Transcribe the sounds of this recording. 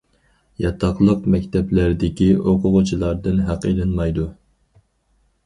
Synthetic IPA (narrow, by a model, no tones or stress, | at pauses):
jɑt̪ʰɑχlˠəqmɛkʲt̪ʰɛplæɾd̪ɪkʲiʔoqʰʊʁʊt͡ʃʰilˠɑɾd̪ɨnɦæqelˠɨnmɑjd̪u